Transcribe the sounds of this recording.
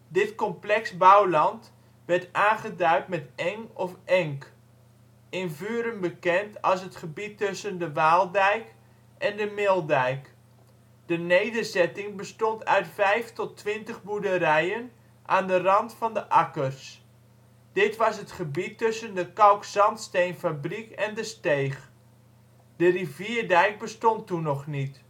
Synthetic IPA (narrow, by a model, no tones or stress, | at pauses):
dɪtkɔmplɛksbawlɑnt | ʋɛrtaːnχədœɥtmɛtɛŋɔfʔɛŋk | ɪnvyːɾənbəkɛntɑlˠs̬ɦətχəbitːɵsəndəʋaːlˠdɛjk | ʔɛndəmɪlˠdɛjk | d̥ənejdərzɛtɪŋbəstɔntœ̰ɥtfɛjftɔtʋɪntəχbudəɾɛjən | ʔaːndərɑntfɑndəʔakərs | d̥ɪtʋɑsɦətχəbitːɵsəndəkawksɑntstejnfabrikɛndəstejχ | d̥əriviərdɛjk̚bəstɔntːunɔχnit